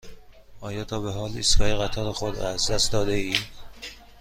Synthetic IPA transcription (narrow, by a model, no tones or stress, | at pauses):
ɒːjɒːt̪ʰɒːbeɦɒːlḭːsɡɒːjeɣæt̪ʰɒːlexod̪ɾɒ̰ːæzd̪æst̪d̪ɒːd̪eiː